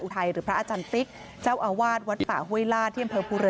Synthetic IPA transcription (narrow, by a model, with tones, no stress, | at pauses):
nʔu˨t̪ʰa˧jɾɯː˩˦pʰɾa˦ʔaː˧t͡ɕaː˧nsi˦˥k̚ | t͡ɕaː˥˩wʔaː˧waː˥˩t̪̚wa˦˥t̪̚fa̰ː˨˩hu˥˩ə˨jlaː˥˩t̪ʰi˥˩˨a˧mpʰɤː˧pʰuː˧ɾe˧